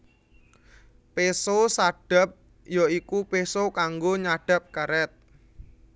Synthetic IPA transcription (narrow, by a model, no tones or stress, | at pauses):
pesosaɖ̥ə̤p̚ | joikupesokaŋɡoɲaɖ̥a̤p̚kaɾɛt̪̚